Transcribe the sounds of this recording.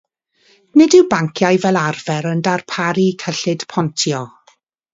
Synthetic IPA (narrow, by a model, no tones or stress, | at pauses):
nɪdɪwbaŋkʰjajvɛlˠarvɛɾəndarpʰaɾikʰəɬɪd̥pʰɔntʰjɔ